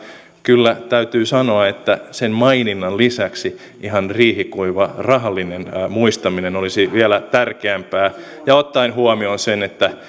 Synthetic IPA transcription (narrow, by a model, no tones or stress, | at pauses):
kylːæt̪æyt̪yːsɑnoɑet̪ːæsemmɑininːɑllisæksi | ʔiɦɑnriːhikuiʋɑrɑɦɑlːinenmuist̪ɑminenolisiʋiælæt̪ærkeæmpæː | jɑot̪ːɑinhuɑmionsenet̪ːæ